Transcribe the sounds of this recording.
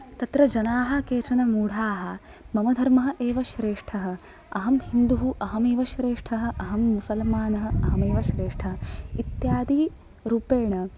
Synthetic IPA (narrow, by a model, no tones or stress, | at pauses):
t̪ɐt̪ɾɐd͡ʒɐnaːɦɐ̆keːt͡ʃɐnɐmuːɽ̤ʱaːɦɐ̆ | mɐmɐd̪ʱɐɾmɐɦɐ̆ʔeːʋɐʃɾeːʂʈʰɐɦɐ̆ | ɐɦɐmhind̪uɦuʔɐɦɐmeːʋɐʃɾeːʂʈʰɐɦɐ̆ʔɐɦɐmːusɐlmaːnɐɦɐ̆ɐɦɐmeːʋɐʃɾeːʂʈʰɐɦɐit̪jaːd̪i | ɾuːpeːɳɐ